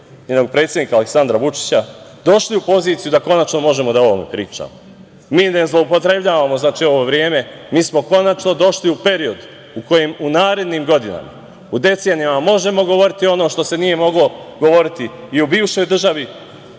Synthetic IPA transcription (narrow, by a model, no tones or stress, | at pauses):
ɲeno̞ɡ̚pɾet̪sʲjed̪ikaːleksand̪ɾaʋut͡ʂi̥t͡ɕad̪o̞ʃliupo̞ziːt̪sijud̪ako̞nat͡ʃno̞mo̞ʒemo̞d̪ao̞ʋome̞̰pɾiːt͡ʂa̰mo | miːnazlˠo̞upo̞t̪ɾe̞bʎaːʋamo̞znaːt͡ʃiːo̞ʋo̞ʋɾje̞ːme̞miːsmo̞ko̞nat͡ʃno̞d̪o̞ʃliupe̞ɾio̞d̪ | uko̞jemunaːɾe̞d̪niːmɡo̞d̪ina̰ma̰ | ud̪e̞t̪seːnijamamo̞ʒe̞mo̞ɡo̞ʋo̞ɾit̪io̞noːʃt̪o̞se̞nije̞mo̞ɡlo̞ɡo̞ʋo̞ɾit̪iːubiːʋʃo̞jd̪r̩ʒaʋi